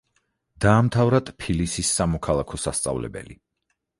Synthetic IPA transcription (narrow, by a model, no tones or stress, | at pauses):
d̪̥aːmt̪ʰavɾat̪pʰilisisːamɔkʰalˠakʰɔsast̪sʼa̰vlɛ̰bɛ̰lḭ